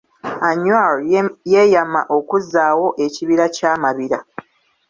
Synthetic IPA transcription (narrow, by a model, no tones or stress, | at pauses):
aɲwaluje̞jama̰ʔo̞kuzːaːwo̞ʔe̞ciβiɾacaːmaβiɾa